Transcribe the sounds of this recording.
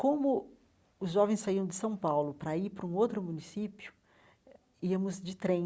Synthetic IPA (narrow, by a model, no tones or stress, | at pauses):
kõmʊ | ʊzʒɔvẽj̃saiɐ̃w̃d̪ɪsɐ̃w̃pawlʊpɾɐipɾʊũowt̪ɾʊmũnisipjʊ̥ | iɐmʊzd͡ʒɪt̪ɾẽ